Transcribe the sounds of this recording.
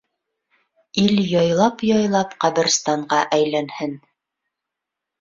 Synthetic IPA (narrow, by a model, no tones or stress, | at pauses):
iljɑjlˠɑpjɑjlˠɑpqɑβɘ̆ɾst̪ɑɴɢɑʔæjlænhɘn